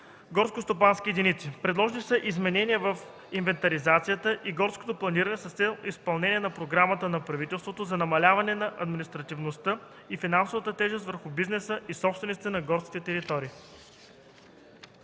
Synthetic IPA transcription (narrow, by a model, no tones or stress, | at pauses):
ɡɔɾskost̪opanskʲijɛd̪init̪sipɾɛd̪lˠɔʒnisəʔizmɛnɛniəvɐf | invɛnt̪ɐɾizat̪sijət̪əʔiɡɔɾsko̥t̪oplˠɐniɾɐnɛsɐst̪sɛlˠispɐlˠnɛnʲiɛnɐpɾoɡɾamət̪ənɐpɾɐvit̪ɛlˠst̪vot̪ozɐnɐmɐlʲavɐnɛnɐʔɐd̪minist̪ɾɐt̪ivnost̪ə | ifinansovət̪ət̪ɛʒɛst̪vəɾxʊbiznɛsəʔisɔpst̪vɛnit̪it̪ɛnɐɡɔɾskʲit̪ɛt̪ɛɾit̪ɔɾiː